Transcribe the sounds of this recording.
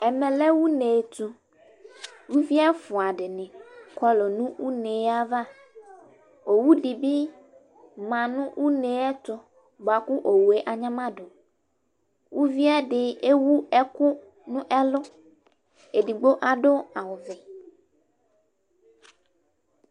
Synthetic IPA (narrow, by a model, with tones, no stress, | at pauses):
ɛ˨mɛ˨lɛ˦wu˦ne˨t̪u˦ | wu˦vi˦a˦fʊ˨a˨ɖɪ˨nɪ̃˨kɔ˦lo˨nʊ̃˦wu˦ne˨˦a˦va˦ | o˨wu˦di˨bi˦ | mã˨nʊ̃˦wʔu˦ne˨˦ɛ˦t̪ʊ˦ | ba˨kʊ˦ʔo˨wu˨e˨ʔa˨ɲã˦mã˦dʊ˨ | wu˦vi˦a˦ɖɪ˦e˦wu˦ɛ˦kʊ˦ | nʊ̃˦ʔɛ˦lʊ˦ | e˨di˨ɡ͡bo˦ʔa˨ɖʊ˦a˨wʊ˨vɪ˨